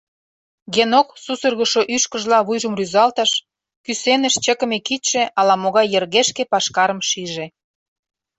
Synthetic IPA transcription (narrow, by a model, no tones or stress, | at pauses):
ɣenoksusərɣə̆ʃoʔyʃkə̆ʒlɑβujʒə̆mryzɑlt̪ə̆ʃ | kysenə̆ʃt͡ɕə̆kə̆mekit̪ʃĕʔɑlɑmoɣɑjːə̆rɣeʃkepɑʃkɑɾə̆mʃiʒe